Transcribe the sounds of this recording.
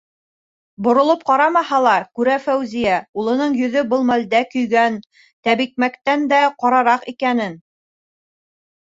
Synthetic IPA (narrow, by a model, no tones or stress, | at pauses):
bŏɾŏlˠop̚qɑɾɑmɑhɑlˠɑɾkʉɾæfæwzijæulˠɤ̆nɤɴjɵ̆ðɵbɤlˠmæld̪ækɵ̆jɡæn | t̪æβik̚mækt̪ænd̪æqɑɾɑɾɑqikænɘn